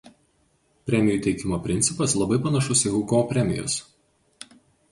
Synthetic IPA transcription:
pʲɾʲɛmʲɪjuːˑt̪ʲɛɪkʲɪmoːpʲɾʲɪnt̪sʲɪpɐslˠɐbɐɪpɐnɐʃʊsɪɡukoːpʲɾʲɛmʲɪ̰jʊ̰s

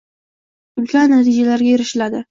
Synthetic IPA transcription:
ʊlkʲanat̪ʰid͡ʒalaɾɡʲajeɾɪʃɪlad̪ɪ

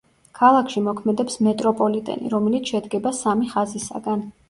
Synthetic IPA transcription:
kʰalˠakʰʃimɔkʰmɛd̪ɛpsmɛt̪ʼɾɔpʼɔlit̪ʼɛ̰nḭɾɔmɛlit̪ʰʃɛd̪ɡɛbasamiχazisa̰ɡan

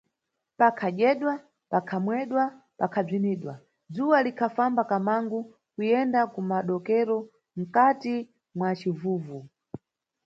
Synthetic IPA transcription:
pakʰaʄɛɗwa | pakʰamwɛɗwa | pakʰab͡ʐiniːɗwa | d͡zuwalikʰafambakamaŋɡu | kujɛndakumaɗɔkɛɾɔ | m̩kati | mwat͡ʃivuːvu

